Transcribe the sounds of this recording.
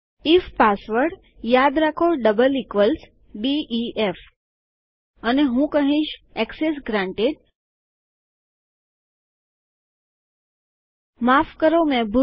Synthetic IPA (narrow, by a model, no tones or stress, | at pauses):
ifpasʋəɾɖ | jad̪ɾakʰoɖəbəlikʋəls | biief | əneɦũkəɦĩʃɛkses̬ɡɾãɳʈeɖ | mafkəɾomɛ̃bu